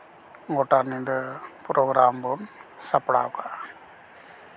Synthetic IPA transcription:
ŋɡoʈːaɾnind̪əpɾoːɡɾaːmbonsɐpːɽa̰ːka

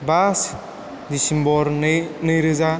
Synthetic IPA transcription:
bas | d̪isimbɔɾnɯjɾɯza

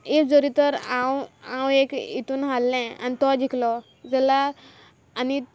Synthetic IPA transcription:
ek̚d͡zoɾit̪əɾãwãwekḭt̪uːnɦalːɛ̃a̰nit̪ɔd͡ʑiklɔ | d͡zɛlaː | ni

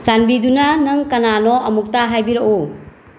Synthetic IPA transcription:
sanbidunanɐŋkɐnanɔɐmuk̚taɦajbiɾɐʔu

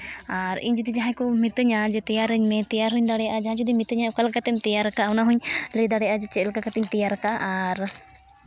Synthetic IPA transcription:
aɾḭɲd͡ʒud̪id͡ʒaɦãkumit̪əɲad͡ʒɛt̪ɛjaɾəɲmɛ̃t̪ɛjaɾɦuɲd̪aɽɛjaʔad͡ʒaɦãd͡ʒud̪imit̪əɲaukalkat̪ɛmt̪ɛjaɾkaːwnaɦuɲləjd̪aɽɛjaʔad͡ʒɛt͡ʃɛlkakat̪ɛɲt̪ɛjaɾkaʔaɾ

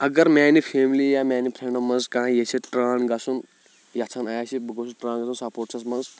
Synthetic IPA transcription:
ɐɡɐɾmɛːnipʰeːmlijaːmɛːnipʰɾeɳɖɐmːɐnzkãñjet͡ʃʰiʈɾaːnɡɐsʰun | jɐt͡sʰanaːjsʰibɨɡosuʈɾãːnɡɐsʰunsɐpoːʈt͡ʃʰɐsmɐnz

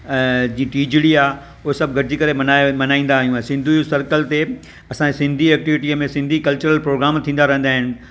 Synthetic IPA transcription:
ɛ̃ːd͡ʑĩːʈiːd͡ʑɪɽiaː | ʊɦesɐb̚ʱɡʱɐɾɪd͡ʑikɐɾemɐnaːmɐnaːĩn̆d̪aːɦijũaːsɪ̃nd̪ʱusɐɾkəlt̪e | ɐsãesɪ̃nd̪ʱiɛːk̚ʈiʋɪʈiəmẽsɪ̃nd̪ʱikɐlt͡ɕəɾəlpɾoːɡɾaːmt̪ʰĩːn̆d̪aɾɐɦə̃nd̪aːɦɪn̆

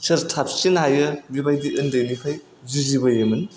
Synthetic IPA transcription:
sɐɾtʰap̚sinɦajɯbibajdiʔɯndɐjnikʰaj | zizibɐjɯmɯn

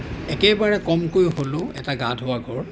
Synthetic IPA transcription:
ɛkɛbaɹɛkɔmkojɦolʊɛ̰taɡadʱɦoʊwaɡʱɔɹ

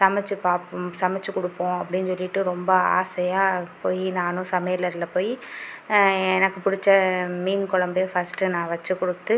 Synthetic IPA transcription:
sɐmɛt͡ʃːɯpaːpsɐmɛt͡ʃːɯkʊɽɯpːõːɐpːɐɽɪnːɯsɔlːɪʈːɯɾɔmbɐa̰ːsɐjaːpoːjinaːnʊ̃sɐmɐjɐlːɐɪɾɯlːɐpoːji | ɛnɐkːɯpʊɽɪt͡ʃːɐmiːnkʊlɐmbeːfɐsʈɯnãːʋɐt͡ʃːɯkːʊɽɯt̪ːɯ

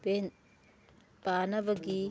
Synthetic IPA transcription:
ben | b̥anɐbɐɡi

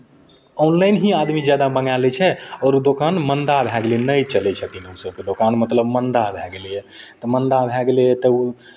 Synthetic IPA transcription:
ɔnlaɪnɦĩad̪mid͡ʒjad̪abəŋalɛt͡ʃʰɛɔːɾud̪okanmənd̪abʱɛɡlenəjt͡ʃəlɛt͡ʃʰət̪inɦəmsəb̚ked̪okanmət̪ləbmənd̪abʱɛɡelɛɛt̪ɔmənd̪abʱɛɡelɛɛt̪ɔu

